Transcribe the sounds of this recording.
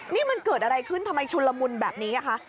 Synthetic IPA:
niː˥˩ma˧nkɤː˨˩t̪̚ʔa˧ɾa˧jkʰɯ˥˩nt̪ʰa˧mːa˧jt͡ɕʰu˧lːa˧mu˧nbɛː˨˩p̚niː˦˥na˦˥˩kʰa˦˥ʔ

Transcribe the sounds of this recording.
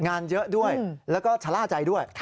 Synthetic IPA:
ŋaː˧njɤ˦˥ʔdu˥˩əjlɛː˦˥wkɔː˥˩t͡ɕʰa˧laː˥˩t͡ɕa˧jdu˥˩əjʰ

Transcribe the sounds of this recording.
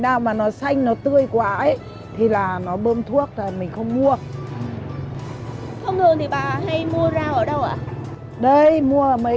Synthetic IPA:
ɗaː˧˩wmaː˨˩nɔ˨˦sa˧jŋ̟nɔ˨˦t̪ɨ˧əjkwaː˨˦ʔə˨˦j | t̪ʰi˨˩laː˨˩nɔ˨˦ɓəː˧mt̪ʰu˦˥ək̚laː˨˩mï˨˩ŋ̟xə˧wŋ͡mmu˧əʔɨ˨˩ | xə˧wŋ͡m̪ɨ˨˧˩əŋt̪i˨˩ɓaː˨˩ɦa˧jmu˧əzaː˧wʔəː˧˩ɗə˧wʔa̰ː˧˨ | ɗə˧jmu˧ə˨mə˨˦

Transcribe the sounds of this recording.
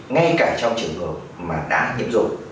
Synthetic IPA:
ŋa˧jkaː˧˩t͡ɕɔ˧wŋ͡mt͡ɕɨ˨˩əŋɦə˨˩p̚maː˨˩ɗa̰ː˧˥ɲḭ˧˥əmzʊ̰˧˨ŋ͡m̚

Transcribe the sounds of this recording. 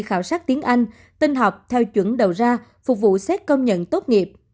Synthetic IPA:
xaː˧˩wsaː˦˥k̚t̪i˨˦ənʔa˧jŋ̟ | t̪i˧nɦa˨˩wk͡p̚t̪ʰɛ˧wt͡ɕwə˧˩nɗə˨˩wzaː˧ | fʊ˨˩k͡p̚vṵ˧˨sɛ˦˥t̚kə˧wŋ͡mɲə̰˧˨nt̪o˦˥t̚ŋi˨˩əp̚

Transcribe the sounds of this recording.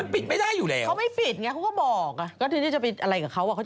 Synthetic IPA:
a˧npi˨˩t̪̚ma˥˩jdaː˥˩jːuː˨˩lɛː˦˧wʰa˦˥wma˥˩jpi˨˩t̪̚ŋa˦˥kʰwkɔː˥˩bɔː˨˩k̚ʔa˧˩kɔː˥˩t̪ɯ˧˥ŋaː˧˥˩t͡ɕa˨˩pi˧˩ʔa˧ɾa˧jkaː˨˩kʰa˦˥wʔa˨˩kʰa˦˥˩

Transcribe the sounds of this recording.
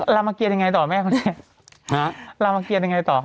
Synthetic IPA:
la˧ma˧ki˧t̚ja˧ŋa˧jt̪ɔː˨˩mɛː˥˩kʰɔ˧ni˧˥˩ə | ha˦la˧wmaː˧ki˧t̚ja˧ŋa˧jt̪ɔː˨˩

